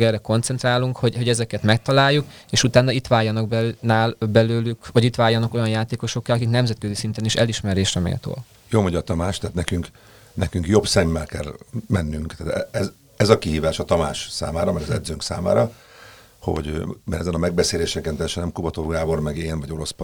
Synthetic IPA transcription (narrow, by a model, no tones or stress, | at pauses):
ɛrɛko̞nt̪sɛnt̪raːluŋkho̞ɟho̞ɟɛzɛkɛt̪mɛk̚t̪ɒlaːjːuk | eːʃut̪aːnːɒit̪ʋaːjɒnɒɡbɛnaːlbɛløːlykʋɒɟit̪ʋaːjːɒnɒko̞jɒnjaːt̪eːko̞ʃo̞kːɛlɒkiknɛmzɛt̪̚køzisint̪ɛniʃɛliʃmɛɾeːʃrɛmḛːlt̪o̰ːl | joːmoɲɟɒt̪ɒmaːʃt̪ɛɦːt̪nɛkyŋk | nɛkyŋkjo̞bsɛmːɛlkɛ̰lmɛnːyŋkt̪aːt̪ɛɛz | ɛzɒkiɦiːvaːʃɒt̪ɒma̰ːʃsa̰ːmaːɾɒmɛɡɒzɛ̰d̪zøːŋksa̰ːma̰ːɾɒ | ho̞̰ɟmɛ̰ɾɛzɛnɒmɛɡbɛseːleːʃɛkɛnt̪ɛjːɛʃɛnɛmkubɒt̪orɡaːbo̞rmɛɡeːnvɒɟo̞ɾo̞sp